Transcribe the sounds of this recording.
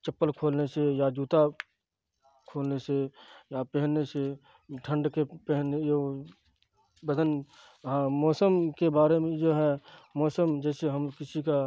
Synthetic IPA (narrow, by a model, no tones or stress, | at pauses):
t͡ʃɐpːəlkʰoːlnesejad͡ʒuːt̪a | kʰoːlnesejapɛɦnːese | ʈʰə̃ɳɖkepɛɦnejo | bəd̪ʱən | ɦãːmɔːsəmkebaːɾemẽd͡ʒoːɦɛmɔːsəmd͡ʒɛːseɦɐmkɪsika